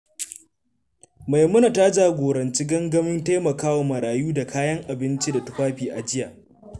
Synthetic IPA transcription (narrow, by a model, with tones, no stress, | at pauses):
ma˨jmʊ˦na˨ta˦d͡ʒaː˨ɡʷoː˨ɾɐ˨nt͡ʃi˦ɡɐ˦ŋɡɐ˦mɪ˦nta˦mɐ˨kaː˦wa˨mɐ˨ɾaː˨juː˦da˨kʰaː˦jɐ˦ŋʔa˨bɪ˦nt͡ʃi˦da˨tʊ˦ɸaː˦ɸiː˨ʔa˨d͡ʒɪ˦jaː˨